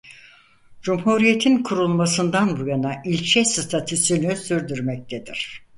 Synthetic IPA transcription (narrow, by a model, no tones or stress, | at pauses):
d͡ʒumɦuɾije̞t̪ʰinkʰuɾulˠmasɯnd̪anbujanaʔilʲt͡ʃʰɛst̪ʰat̪ʰysynysyɾd̪yɾmɛc̚t̪ʰed̪iɾ̝̥